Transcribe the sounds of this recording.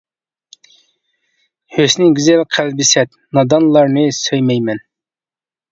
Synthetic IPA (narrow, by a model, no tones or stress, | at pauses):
høsnɪɡʲizɛlqʰælbɪsɛt̪̚nɑd̪ɑnlˠɑɾnɨsøjmɛjmɛn